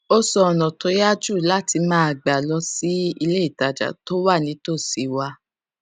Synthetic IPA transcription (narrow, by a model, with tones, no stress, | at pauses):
o˦sɔ˧ɔ˨nɔ̃˨to˨˦ja˦d͡ʒu˦˨la˦ti˧mãː˦a˨ɡ͡ba˨lɔ˧si˦i˧le˦i˦˨ta˨d͡ʒa̰˨to˦wa˦˨nĩ˨˦to˦˨si˨˧wa˧